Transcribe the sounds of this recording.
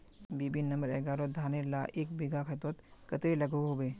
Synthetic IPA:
bibinnə̃mbəɾɛɡaːɾod̪ʱaːneɾla̰ʔeːk̚biɡʱakʰet̪oːt̪kɐt̪elɐɡoɦobeː

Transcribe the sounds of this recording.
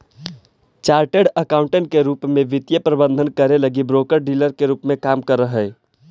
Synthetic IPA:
t͡ʃaːɾʈeɖəkaːʊ̃ɳʈə̃ɳʈ̚keɾuːpmẽʋɪt̪jəpɾəbə̃nd̪ʱənkəɾeləɡibɾoːkəɾɖiːləɾkeɾuːpmẽkaːmkəɾːəɦə

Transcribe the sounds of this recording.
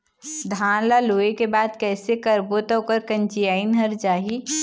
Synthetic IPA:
d̪ʱãːnlaloːekebaːd̪kɛːsekɐɾboːt̪okəɾkɐ̃nt͡ʃiaːinɦɐɾd͡ʒaːɦi

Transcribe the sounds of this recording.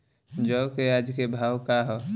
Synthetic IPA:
d͡ʒəʊkead͡ʒkebʱaːwkaɦɔ

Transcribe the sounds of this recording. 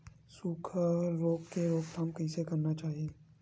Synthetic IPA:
suːkʰɾoːɡkeɾoːɡ̚t̪ʰɐmkisekɐɾnat͡ʃaːɦieː

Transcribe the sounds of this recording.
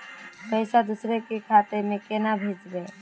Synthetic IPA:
pəjsad̪usɾekekʰat̪emekenabʱed͡ʒbe

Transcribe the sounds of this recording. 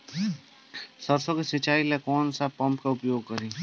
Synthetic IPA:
sɐɾsõkesɪt͡ʃaːilekɔːnsapɐ̃mpkaʊpjoːɡ̚kɐɾĩː

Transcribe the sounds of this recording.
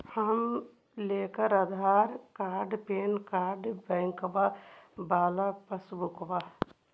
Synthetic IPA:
hɐm | leːkəɾɐd̪ʱaːɾkaːɾɖpeːnkaːɾɖbɛ̃ŋkbabaːlapɐsbukba

